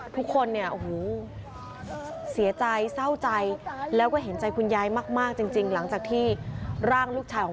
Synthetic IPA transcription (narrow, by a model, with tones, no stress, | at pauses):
t̪ʰu˦˥kʰːo˧nːi˥˩ɐʔu˧huː˨˩ | si˩˦ɐt͡ɕa˧jsa˥˩wt͡ɕa˧jlɛː˦˥wkɔː˥˩ɦe˩˦nt͡ɕa˧jkʰu˧njaː˧jmaː˥˩k̚maː˥˩k̚t͡ɕi˧ŋt͡ɕi˧ŋla˩˦ŋt͡ɕaː˨˩k̚t̪ʰiː˥˩ɾaː˥˩ŋluː˥˩k̚t͡ɕʰaː˧kʰɔː˨˦